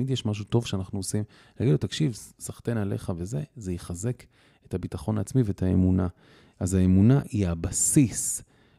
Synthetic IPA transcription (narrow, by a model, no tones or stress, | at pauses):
midjeʃmaʃ̬uto̞vʃeanaχnuosim | laɡidlotakʃivsaχt̪e̞nale̞χave̞ze̞zejiχaze̞k | ethabitaχo̞naːt͡smiveethaemuna | ʔazaemunaʔiabasis